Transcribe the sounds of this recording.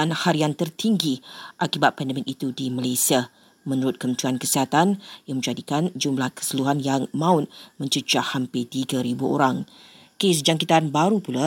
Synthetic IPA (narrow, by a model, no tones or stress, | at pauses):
anhaɾiaŋt̪ərt̪iŋɡiʔakibat̪̚pɛndəmɛnit̪udimalajsia | mə̃nuɾʊt̪̚kəmənt͡ʃuankəsiɦat̪anjaŋmə̃ɲd͡ʒadikand͡ʒumlahkə̥səluɦanjaŋmãʊt̪̚mə̃ɲt͡ʃəd͡ʒahampɪt̪iɡaɾibuʔo̰ɾaŋ | kes̬d͡ʒaŋkit̪anbaɾupula